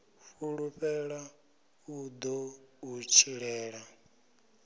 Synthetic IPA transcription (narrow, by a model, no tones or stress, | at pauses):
ɸuɺuɸɛɺa | ud̪ɔut͡ʃʰiɺɛːɺa